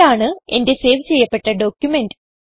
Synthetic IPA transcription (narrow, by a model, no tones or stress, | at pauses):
aːɳɨe̞̰nde̞se̞ːʋt͡ɕe̞jːɐpːe̞ʈːɐɖo̞ːkʲjume̞ndɨ